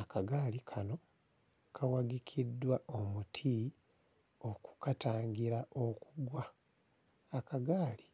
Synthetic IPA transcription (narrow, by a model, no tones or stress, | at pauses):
akaɡaːlikʰano̞ | kʰawaɡikʰidːwaʔomutʰi | o̞ku̥kataːŋɡiɾaʔo̞kuɡwaː | kaɡaːli